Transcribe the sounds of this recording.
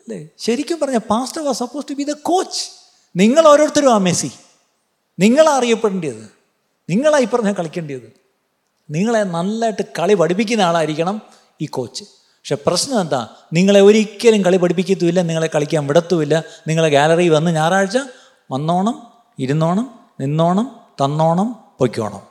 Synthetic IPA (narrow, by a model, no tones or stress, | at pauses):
ɐlːeɕɐɾikʲːumpɐrɐɲːapaːsʈɐʋasɐpːoːsʈubiːðɐko̞ːt͡ɕːɨ̥ | niŋːɐɭo̞ːɾo̞ːɽt̪ːɐɾumaːmesi | niŋːɐɭaɐrijɐpːeɽuɳɖijɐðɨ | niŋːɐɭaːjipːɐrɐɲːakɐɭikʲːɐɳɖijɐðɨ | niŋːɐɭe̞nɐlːaːjʈːɨkɐɭipɐɽipːikʲːunːaːɭaːɐɾikʲːɐɳɐm | iːkːo̞ːt͡ɕːɨ̥ | pɐkʂeːprɐɕnɐend̪a̰ː | niŋːɐɭe̞oɾikʲːɐɾumkɐɭipɐɽipːikʲːɐt̪̬ːuʋilːɐniŋːɐɭe̞kːɐɭikʲːaːnʋiɽɐt̪ːuʋilːɐniŋːɐɭeɡaːlɐriʋɐnːɨɲaːɾaːɻt͡ɕːɐ | mɐnːo̞ːɳɐm | iɾunːo̞ːɳɐm | ninːo̞ːɳɐmt̪ɐnːo̞ːɳɐmpoːkʲːo̰ːɳɐ̰m